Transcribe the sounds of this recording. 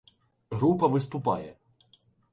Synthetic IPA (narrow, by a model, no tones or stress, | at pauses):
ɦɾupɐʋɪst̪ʊpɑjɛ